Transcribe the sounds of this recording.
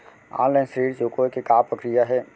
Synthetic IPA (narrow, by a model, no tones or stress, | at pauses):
a̰ːlaɪnsɾiːɽd͡ʒoːkokikaːpɾəkɾijaɦɛː